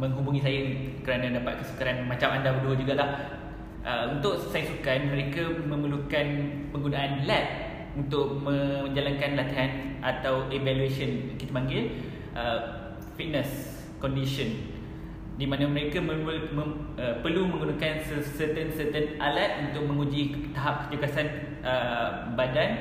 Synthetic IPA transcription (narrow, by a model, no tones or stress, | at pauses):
mə̃ŋɦubuŋis̬ajakəɾanãdapat̪̚kəsu̥kaɾanmat͡ʃamandabəduəd͡ʒuɡalah | ʔəunt̪ʊʔsajŋsukanmə̃ɾekamə̃məlukan | pəŋɡunaʔːnlat̪̚ | unt̪ʊʔ̚mə̃ɲd͡ʒalankanlat̪iɦanʔat̪awʔevaluesənkit̪abaŋɡɪl | ʔə | fit̪̚nəs | kɔndiʃɔn | dimãnamə̃ɾekaməməəpərlumə̃ŋɡunakansəsət̪ənsət̪ənʔalat̪̚unt̪ʊʔ̚mə̃ŋud͡ʒit̪aɦap̚kə̥t̪uɡasan | ʔə | badan